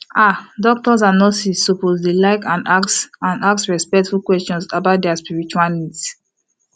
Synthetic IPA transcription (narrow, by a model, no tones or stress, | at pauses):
adɔk̚tɔzanɔsiːopozlelaɪkãnaksãnaksɹɛspɛk̚tfulkwɛstɔ̃nsabaʊt̚dɛaspiɹit͡ʃualnids